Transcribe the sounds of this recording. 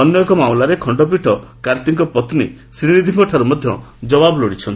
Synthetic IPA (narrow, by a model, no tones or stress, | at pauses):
ɔnjɔkɔmamlaɾekʰɔɳɖɔp̬ɾiʈʰɔkaɾt̪iŋkɔpɔt̪nḭ | sɾinid̪ʱimɔʈʰaɾumɔd̪ʱjɔ̰d͡ʒɔbabɔlɔɽit͡ʃʰɔnt̪i